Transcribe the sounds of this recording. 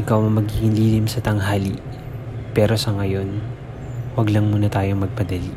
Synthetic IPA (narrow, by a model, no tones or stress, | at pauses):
ʔɪkɐwmɐmɐɡikɪŋliːlimsɐt̪ɐŋɦaːli | pɛːɾo̞sɐŋɐjo̞n | wɐɡlɐŋmuːnɐt̪aːjo̞mɐɡ̚pɐd̪ɐli